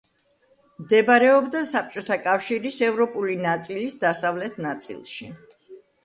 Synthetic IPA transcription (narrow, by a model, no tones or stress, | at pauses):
md̪ɛbaɾɛɔbd̪asap̚ʰt͡ʃʼɔt̪ʰakʼafʃiɾisɛvɾɔpʼulinat̪sʼilisd̪asavlɛt̪ʰnat̪sʼḭlˠʃi